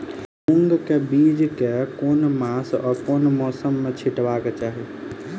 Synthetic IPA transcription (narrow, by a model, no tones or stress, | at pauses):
ʊ̃ŋɡkɛbiːd͡ʑkɛkoːnmaːsɔːkoːnmɔːsəmːə̃t͡ɕʰɪʈʋaːkət͡ɕaːɦeː